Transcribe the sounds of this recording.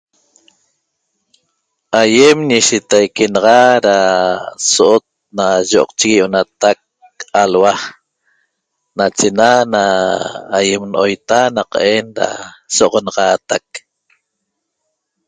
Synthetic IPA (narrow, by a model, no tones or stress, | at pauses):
ajemɲiʃit̪ajkenɑʁɑɾa | soʔot̪̚naʒoʔɔ̰q̚t͡ʃiɣijʔonat̪ak̚ | alwa | nat͡ʃenanaː | jemnʔojt̪anaqɑʔenɾa̰soʔʁonɑʁɑːt̪ak̚